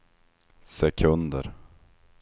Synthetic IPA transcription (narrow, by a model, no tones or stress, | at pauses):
sɛkʰɵnd̪ə̰ɾ